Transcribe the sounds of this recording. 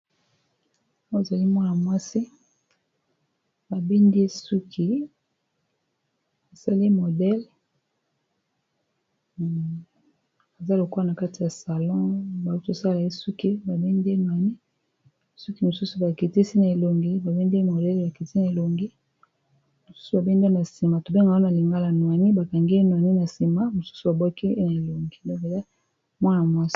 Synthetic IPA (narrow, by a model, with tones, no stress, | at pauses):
e˨za˨li˦mwa˦na˨mwa˦si˦ | ba˨bi˦ndi˦su˦kʰi˦ | a˨sa˦le˦mo˨dɛ˦l | a˨za˦lo˨kwa˦na˨ka˦ti˨ja˨sa˨lɔ̃˦ba˨u˦to˨sa˦la˨e˦su˦ki˦ba˨be˦n˦dnwa˨ni˦ | su˦ki˦mo˨su˦su˨ba˨ke˨ti˦si˦na˨e˨lo˨ŋɡi˦ba˨be˦nde˦mo˨dɛ˦lba˨ke˨ti˦i˦na˨e˨lo˨ŋɡi˦ | mo˨su̥˦su˨ba˨be˦ndna˨si˨ma˨to˨be˦ŋɡa˨o˦na˨li˨ŋɡa˦la˨nwa˨ni˦ba˨ka˨ŋɡi˦e˦nwa˨ni˦na˨si˨ma˦mo˨su̥˦su˨ba˨bɔ˦ki˦e˦na˨e˨lo˨ŋɡi˨dɔ̃˦ke˨la˦ | mwa˦na˨mwa˦s